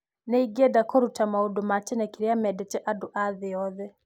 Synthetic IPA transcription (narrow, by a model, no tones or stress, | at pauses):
nɛiɡɛdakʰɔɾutamaudɔmat͡ʃɛnɛkiɾiamɛdɛt͡ʃɛʔaduʔaðɪɔðɛ